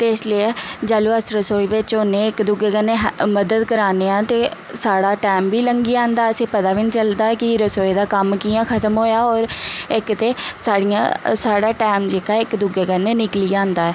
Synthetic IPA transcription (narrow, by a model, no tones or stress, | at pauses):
t̪eːɪsliːd͡ʒaːluːəsɾəsoːiːʋɪt͡ʃɦoːneːɪkd̪ʊɡeːkəneːɦməd̪əd̪kəɾaːneːãːt̪eː | saːɽaːʈɛːmbiːləŋɡiːãːnd̪aːəsẽːpət̪aːʋɪnt͡ʃəld̪aːɛkɪɾəsoːeːd̪aːkəmkiːjãːkʰət̪əmɦoːjaːɔːɾɪkt̪eːsaːɽijã̰ːsaːɽaːʈɛːmd͡ʒeːkaːɪkd̪ʊɡeːkənːeːnɪkliːãːnd̪aːɛː